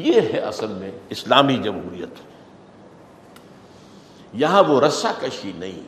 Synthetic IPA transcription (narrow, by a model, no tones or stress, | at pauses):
jeɦɛʔɐsəlmẽɪslaːmid͡ʒɐmɦṵːɾijə̰t̪ | jɐɦãʋoɾɐsakɐʃinɐɦḭ̃ː